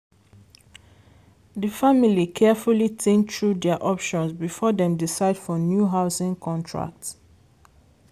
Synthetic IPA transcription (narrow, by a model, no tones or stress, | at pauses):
dəfamilikʰɛfulitʰẽntɹudɛaʔɔpʃɔ̃nsbifɔdɛ̃mdisaɪd̥fɔnjuɦaʊsɪ̃ŋkʰɔ̃ntʰɹa̰k̚t